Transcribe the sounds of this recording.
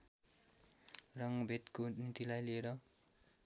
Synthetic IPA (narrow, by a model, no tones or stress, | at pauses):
rʌŋbʱet̪konit̪ilajlieɾʌ